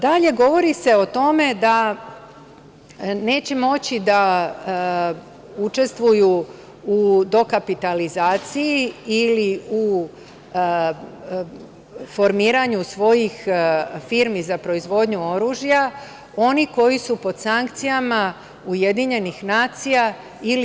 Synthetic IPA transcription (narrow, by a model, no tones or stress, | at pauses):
d̪aʎe̞ɡo̞ʋo̞ɾise̞o̞t̪o̞me̞d̪a | ne̞ːt͡ɕemo̞t͡ɕid̪a | ut͡ʃe̞st̪ʋuju | ud̪o̞kapit̪alizaːt̪sijiːliu | fo̞ɾmiːɾaɲusʋo̞jixfiːɾmizapɾo̞izʋo̞d̪ɲuo̞ɾuːʒija | o̞niko̞jisupo̞d̪̥saŋk̚t̪sijama | uje̞d̪iɲe̞nixnaːt̪sija | il